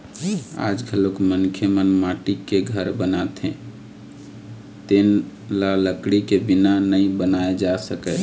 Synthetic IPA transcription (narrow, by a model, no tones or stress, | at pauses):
a̰ːd͡ʒɡʱəlokmənkʰemənmaʈikeɡʱəɾbənat̪ɦɛ̰̃ | t̪enlaləkɽikebinanəĩbənaed͡ʒasəkɛ